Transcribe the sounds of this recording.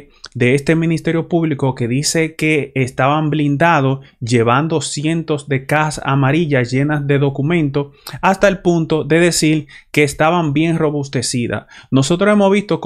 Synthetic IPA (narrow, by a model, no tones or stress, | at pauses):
ðe̞est̪e̞mĩnist̪e̞ɾjo̞puβliko̞ke̞ðise̞ke̞ːst̪aβamblind̪að̞o̞sʝe̞βand̪o̞sje̞nt̪o̞zd̪e̞kaasa̰maɾiʝasʝe̞nasðe̞ðo̞kumẽ̞nt̪o̞ast̪aelpunt̪o̞ðe̞ðe̞siɾke̞ːst̪aβambje̞ŋro̞βust̪e̞siða̰no̞so̞t̪ɾoe̞mosβist̪o̞k